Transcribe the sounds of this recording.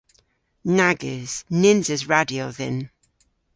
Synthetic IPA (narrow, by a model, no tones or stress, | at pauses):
naɡɪz̥nɪnzəzɹadioðɛ̰̃n